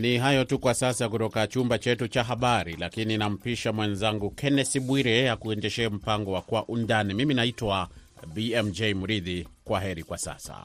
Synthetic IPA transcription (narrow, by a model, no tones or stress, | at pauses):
niɦajɔtukwasasak̬utɔkat͡ʃumbat͡ʃɛtut͡ʃaɦaɓaɾilakininam̩piʃamwɛnzaŋɡukɛnɛsiɓwiɾɛjakuɛndɛʃɛːm̩paŋɡɔwakwaʔundanimiminaitwa | biɛmd͡ʒɛjmuɾiðikwaɦɛɾikwasa̰sa̰